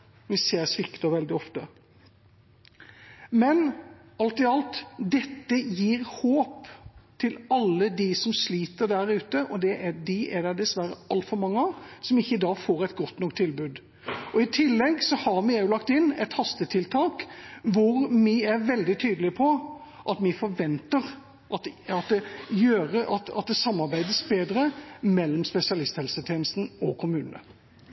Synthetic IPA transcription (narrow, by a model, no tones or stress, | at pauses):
ʋɪseːɾsʋɪkt̪ɑʋɛld̪ɪɔft̪ə | mɛn | ɑlt̪ɪɑlt̪d̪ɛt̪ːəjiːɾhoːpt̪ʰɪlɑlːəd̪isɔmsliːt̪əɾd̪æɾʉːt̪əʔɔd̪ɛʔæd̪ɪʔæd̪æd̪ɛsʋæɾə̰ʔɑlt̪fɔɾmɑŋːəɑsɔmɪçːəɪd̪ɑːɡfoːɾæɪt̪̚ɡɔt̪ːnɔkt̪ʰːɪlbʉːd̪ | ɔɪt̪ʰɪlːɛɡsɔhɑɾmɪjʊlɑk̚t̪ɪnːɛ̰t̪hɑst̪ət̪ʰɪlt̪ʰɑːkʋʊɾmɪæɾʋɛld̪ɪt̪ʰyːd̪əlɪpʰɔ | ʔɑt̪mɪfɔɾʋɛnt̪əɾ | ʔɑt̪ɑt̪̚d̪ɛjøːɾəʔɑt̪ɑt̪̚d̪ɛsɑmːɑɾbæɪd̪əsbeːd̪ɾəmɛlːɔmspɛsɪɑlɪst̪hɛlsət̪ʰjeːnəst̪n̩ɔkʰʊmʉːnənə̰